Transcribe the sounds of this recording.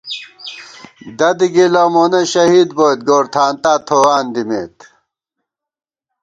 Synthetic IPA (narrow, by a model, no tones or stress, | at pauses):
d̪ɐd̪iɡilɐmoneɕɐɦiːd̪boːjt̪̚ɡoːɾt̪ʰaːnt̪aːt̪ʰoːwaːnd̪imeːt̪